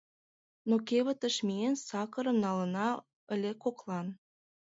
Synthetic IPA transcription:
nokeβə̆t̪ə̆ʃmiensɑkə̆ɾə̆mnɑlə̆nɑ | ə̆lekoklɑn

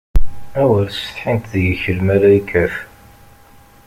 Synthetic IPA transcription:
æwəɾsə̥θħint̪ðəʝəçəɾmæɾæikʰːæf

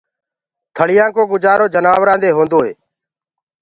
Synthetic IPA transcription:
t̪ʰəɽɪjãːkoːɡʊd͡ʒaːɾoːd͡ʒənaːʋɾãːnd̪eːɦõːnd̪oːɦeː

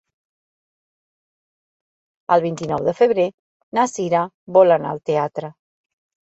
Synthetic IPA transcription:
əlˠβint̪inɔwðəfəβɾe | nasiɾa | bɔlana̰ə̰lˠt̪eat̪ɾə

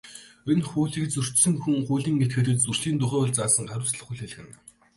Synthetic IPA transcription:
enχuːɮiːkt͡sur̥t͡ɕsɘ̆ŋxuŋχuːɮiːŋːet̪̚ɡeːt̪ɘ̆t̪̚t͡surɮiːnt̪ʊχæːʊɮt͡saːsə̆ŋχæɾʲʊ̆wsɮə̆χuɮxeɮxɘ̆n

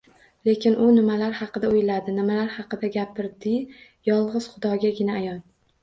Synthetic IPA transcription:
le̞kʲʰɪnʔʊnɪmalaɾhɑqɨd̪aojlad̪ɪnɪmalaɾhɑqɨd̪aɡʲapɪɾd̪ɪ | jɒlˠʁɨz̥χʊd̪ɒɡʲaɡʲɪnaːjɒn

